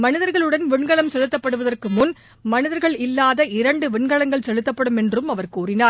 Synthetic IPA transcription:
mɐnɪðɐɾɣɐɭɯɽɐnʋɪɳɡɐɭɐmsɛlɯt̪ːɐpːɐɽɯʋɐðɐrkɯmʊn | mɐnɪðɐɾɣɐɭɪlːaːðɐɪɾɐɳɖɯʋɪɳɡɐɭɐŋɡɐɭsɛlɯt̪ːɐpːɐɽɯmɛndrɯmɐʋɐɾkuːrɪnaːɾ

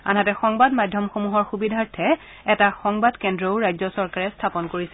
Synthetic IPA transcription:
a̰nɦatɛxɔŋbadmajdʱjɔmxomuɦɔɹxubidʱaɹtʰɛ | ɛtaxɔŋbadkɛndɹɔʊɹajzɔsɔɹkaɹɛstʰapɔnkoɹisɛ

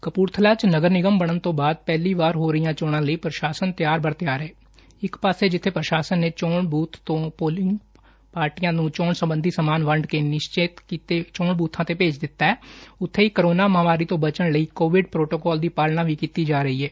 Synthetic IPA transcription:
kəpuːɾt̪ʰəlaːt͡ʃnəɡəɾnɪɡəmbəɽ̃ənt̪õːbaːd̪̚pɛːliːʋaːɾɦoːɾəijãːt͡ʃɔːɽãːləiːpɾəʃaːsənt̪ɪjaːɾbəɾt̪jaːɾɛː | ɪkpaːseːd͡ʒɪt̪ʰːeːpɾəʃaːsənːeːt͡ʃɔːɳbuːt̪ʰt̪õːpoːlɪŋɡ | paːɾʈijãːnũːt͡ʃɔːɳsəmbənd̪ʱiːsəmaːnʋəɳɖkeːnɪʃt͡ʃeːt̪kit̪eːt͡ʃɔːɳbuːt̪ʰãːt̪eːpeːt͡ʃd̪ɪt̪ːaːɛːʊt̪ʰːeːiːkəɾoːnaːməɦʋaːɾiːt̪õːbət͡ʃəɳləiːkoːʋɪɖpɾoːʈoːkɔːld̪iːpaːlnaːʋiːkiːt̪iːd͡ʒaːɾəɦiːɦɛː

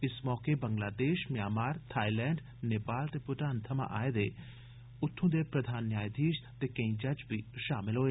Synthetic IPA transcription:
ɪsmɔːkebɐ̃ŋɡlaːd̪eːʃmjaːmaːɾt̪ʰaːilɛːɳɖ | neːpaːlt̪epʊʈaːnt̪ʰɐma̰ʔaːed̪e | ʊt̪ʰːõd̪epɾɐd̪ʱaːnjaːjd̪ʱiːʃt̪ekɐĩd͡ʒɐd͡ʒbʱiʃaːmɪlɦoːe

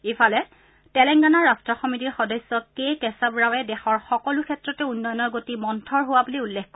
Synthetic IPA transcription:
efʰalɛ | tɛlɛŋɡanaɹastɹɔxɔmitiɹxɔdɔsːɔkejkɛsabɹawɛdɛxɔɹxɔkɔlʊkʰɛtɹɔtɛunːɔjɔnɔɹɡotimɔntʰɔɹɦʊwabuliulːɛkkɔ

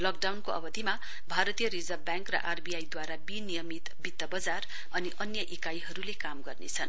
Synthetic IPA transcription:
lʌk̚ɖawnkoʌ̰bʌd̪ʱima | bʱaɾʌt̪ijʌɾid͡zʌbjãŋkrʌ̰ʔarbiajd̪waɾabinijʌmit̪bit̪ːʌbʌd͡zar | ʌniʔʌnjʌʔikajɦʌɾulekamɡʌrnḛt͡sʰʌn

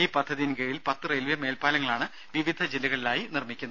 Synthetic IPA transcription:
iːpɐd̪ʱːɐðijnkeɻilpɐt̪ːɨrelʋjɐme̞ːlpaːlɐŋːɐɭaːɳɨ | ʋiʋid̪ʱɐd͡ʑilːɐɣɐɭilaːjinirmikʲːunːɐ

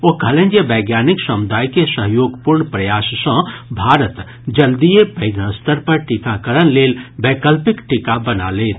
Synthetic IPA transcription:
okɐlẽnd͡ʒebɛːɡjaːnɪksɐmʊd̪aːjkesəɦjoːɡpuɾɳpɾɐjaːssə̃bʱaːɾət̪ | d͡ʒɐld̪ijepɐɪɡnə̃st̪əɾpɐɾʈɪkakəɾənleːlbeːkəlpɪkʈɪkabɐna̰leːt̪ʰ

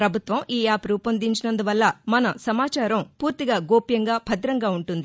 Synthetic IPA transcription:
pɾɐbʱut̪ʋɐmiːaːpɾuːpɐnd̪iɲt͡ʃinɐnd̪uʋɐlːɐmɐnɐsɐmaːt͡ʃaːɾɐmpuːɾt̪iɡaːɡoːpjɐŋɡaːbʱɐd̪ɾɐŋɡaːuɳʈund̪i

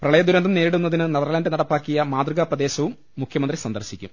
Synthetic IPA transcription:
prɐɭɐjɐd̪uɾɐnd̪ɐmne̞ːɾiɽunːɐðinɨnɐðɐrlaːndɨnɐɽɐpːaːkːijɐmaːd̪rɨɣɐprɐd̪e̞ːɕɐʋumːukʰjɐmɐnd̪risɐnd̪ɐrɕikʲːum

